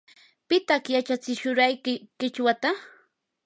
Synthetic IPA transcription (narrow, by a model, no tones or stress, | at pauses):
pɪt̪aχjat͡ʃat͡sɪʃʊɾajkɪkɪt͡ʃwat̪a